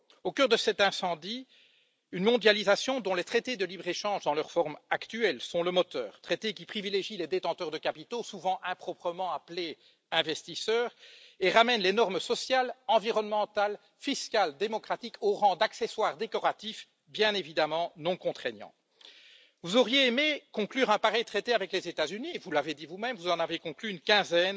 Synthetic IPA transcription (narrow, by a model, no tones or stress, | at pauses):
okœʁd̪əsɛt̪ɛ̃sɑ̃d̪i | ynmɔ̃d̪jalizasjɔ̃d̪ɔ̃let̪χet̪ed̪əlibʁeʃɑ̃ʒd̪ɑ̃lœʁfɔʁmakt̪yɛlsɔ̃ləmɔt̪œ̰ːʁt̪χet̪ek̬ʲipχivileʒiled̪et̪ɑ̃t̪œʁd̪əkapit̪osuvɑ̃ʔɛ̃pχɔpχəmɑ̃aple | ɛ̃vɛst̪isœːʁeʁamɛnlenɔʁmsɔsjalɑ̃viʁɔnmɑ̃t̪al | fiskald̪emɔkχat̪ikʰoʁɑ̃d̪aksɛswaːʁd̪ekɔʁat̪if | bjɛ̃nevid̪amɑ̃nɔ̃kɔ̃t̪χeɲjɑ̰̃ | vuzɔʁjeːmekɔ̃klyːʁɛ̃paʁɛjt̪χet̪eavɛklezet̪azynivulaved̪ivumɛmvuzɑ̃navekɔ̃klyynkʲɛ̃zɛn